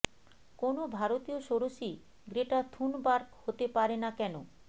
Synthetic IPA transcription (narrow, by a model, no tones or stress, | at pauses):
konobʱaɾot̪ioʃoɾoʃi | ɡɾeʈat̪ʰunbaɾkhot̪epaɾenakɛno